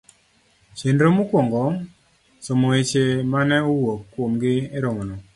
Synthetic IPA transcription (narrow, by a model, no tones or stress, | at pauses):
t͡ʃendɾomokwɔŋɡɔ | somoet͡ʃemanɛowokːwomɡɪeɾomɔnɔ